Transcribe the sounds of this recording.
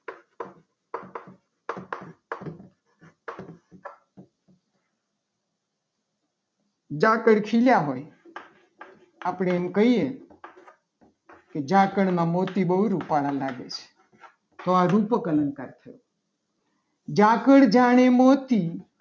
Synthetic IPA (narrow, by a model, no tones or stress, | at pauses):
d͡ʒãkəɽkʰiljaɦoj | apɽ̃eːmkəɦie | ked͡ʒãkəɽmãmot̪ibəɦuɾupaɭãlaɡet͡ʃʰe̥ | t̪oaɾupəkələnkaɾt̪ʰəjo | d͡ʒãkəɽd͡ʒaɽ̃emot̪i